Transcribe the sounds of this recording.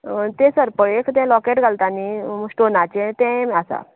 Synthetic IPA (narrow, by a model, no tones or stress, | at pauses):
t̪ẽsəɾpəɭekt̪ɛ̃lɔkeʈɡʱalt̪anisʈonat͡ɕet̪ɛ̃asa̰